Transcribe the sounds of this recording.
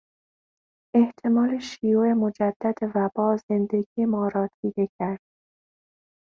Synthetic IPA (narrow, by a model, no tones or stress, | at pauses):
e̞ht̪ʰe̞mɒːleʃijuemo̞d͡ʒæd̪̥ːæd̪evæbɒːze̞nd̪e̞ɡiːjemɒːɾɒːt̪ʰiːd̪e̞cʰæɾd̪̥̚